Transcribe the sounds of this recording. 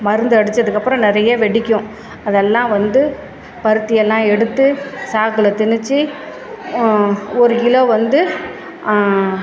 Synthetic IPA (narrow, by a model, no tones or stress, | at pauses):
mɐɾɯnd̪ɯɐɽɯt͡ʃːɐðɯkːɐpːɯɾɔ̃nɪɾɐjɐʋɛɽɪkʲːʊ̃ | ɐðɛlːãːʋɐnd̪ɯ | pɐɾɯt̪ːɪjɛlːãːɛɽɯt̪ːɯsaːkɯlɐt̪ɪnɯt͡ʃːi | ɔɾɯɪloːʋɐnd̪ɯ